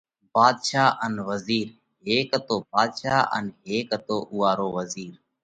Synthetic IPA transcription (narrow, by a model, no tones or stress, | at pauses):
baːd̪ʃaːʔənʋəziːɾ | ɦeːkt̪oːbaːd̪ʃaːʔə̰nɦeːkət̪oːʔʊːaːɾoːʋəziːɾ